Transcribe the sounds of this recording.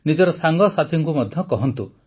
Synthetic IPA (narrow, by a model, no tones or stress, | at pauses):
nid͡ʒɔɾɔsaŋɡɔsat̪ʰiŋkumɔd̪ʱjɔkɔɦɔnt̪u